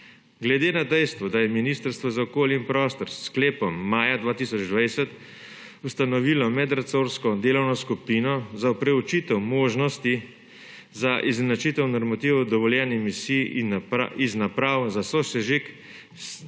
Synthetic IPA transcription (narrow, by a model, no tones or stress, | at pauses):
ɡlɛd̪eːnad̪ɛjst̪ʋɔd̪ajɛminiːst̪əɾst̪ʋɔzaɔkoːljimpɾɔːst̪ɔɾskleːpɔmːaːjad̪ʋaːt̪isɔd͡ʒd̪ʋajsɛt̪ | ust̪anɔʋiːlɔmɛd̪ɾat̪soːɾskɔd̪eːlɔwnɔskupiːnɔzapɾɛut͡ʃiːt̪ɛwmoːʒnɔst̪i | zaʔiznat͡ʃiːt̪ɛwnɔɾmat̪iːwd̪ɔʋɔljɛːnimisijnaiznapɾaːwzasɔsɛʒik